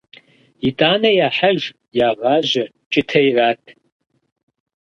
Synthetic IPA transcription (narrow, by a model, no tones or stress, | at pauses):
itʼaːnɐjaːħaʒ | jaːʁɑːʑɐ | t͡ʃʼɪtʰɐjraːtʼʰ